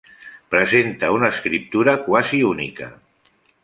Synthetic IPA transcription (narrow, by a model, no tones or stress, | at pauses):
pɾəzent̪əunəːskɾip̚t̪uɾəkwaziunḭkə̰